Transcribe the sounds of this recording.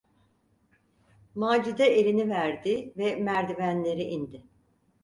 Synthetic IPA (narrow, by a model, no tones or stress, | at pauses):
maːd͡ʒid̪ɛʔelʲinivæɾd̪ɪvɛmæɾd̪ivænlʲe̞ɾiʔind̪ɪ